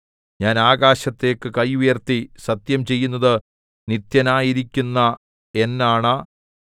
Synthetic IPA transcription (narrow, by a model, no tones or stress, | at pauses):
ɲaːnaːɣaːɕɐt̪ːe̞ːkːɨkɐjujɐrt̪isɐt̪jɐmt͡ɕe̞jːunːɐðɨ | nit̪jɐnaːjiɾikʲːunːɐ | e̞nːaːɳa